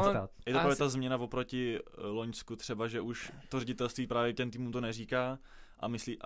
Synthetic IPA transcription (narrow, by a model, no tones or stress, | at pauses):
jɛt̪opɾaːvjɛt̪azmɲɛnavopɾo̞cɪlo̞ɲskut̪r̥ɛbaʒɛʔuʃt̪orɛɟɪt̪ɛlst̪viːpɾaːvjɛcɛmt̪iːmumt̪o̞nɛriːkaː | ʔa̰mɪsliːʔ